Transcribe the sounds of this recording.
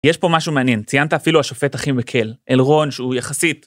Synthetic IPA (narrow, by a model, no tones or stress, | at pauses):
jeʃpo̞maʃumeanje̞nt͡sijant̪aːfiluaʃo̞fe̞taχimvekʰe̞lʔelʁo̞nʃeujaχasit̪